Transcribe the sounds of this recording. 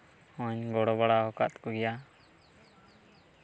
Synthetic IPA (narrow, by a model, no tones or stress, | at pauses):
ɔ̃ɲɡɔɽɔbaɽaɦɔka̰t̪̚kɔɡɛja